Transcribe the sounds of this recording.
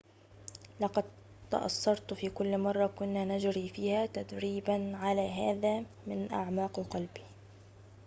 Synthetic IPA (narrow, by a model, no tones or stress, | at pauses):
lɑqɑd̪̚ | t̪ɑ̰ʔɑ̰sˤːɑɾˤt̪fiːkʊlːmɑrˤːɑkʊnːaːnad͡ʒɾiːfiːhaːt̪ad̪ɾiːbanʕalaːɦaːðaː | mɪnʔa̰ʕmɑːqqɑlbi̥